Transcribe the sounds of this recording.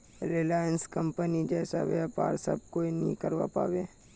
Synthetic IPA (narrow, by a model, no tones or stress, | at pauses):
ɾelaːjənskəmpənid͡ʒɛːsa̰ʋɛpa̰ːɾsə̰b̚koːinəɦĩkəɾʋa̰pa̰ːweː